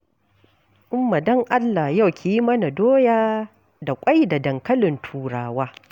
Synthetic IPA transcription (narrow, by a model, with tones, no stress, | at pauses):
ʔʊ˦mːa˨dɔ˦ŋʔa˦lːa˨hja˦wkʲeː˨ji˦mɐ˦na˨doː˦jaː˦ | da˨kʷʼa˦jda˨dɐ˨ŋkɐ˦lɪ˨ntʰuː˨ɽaː˨waː˦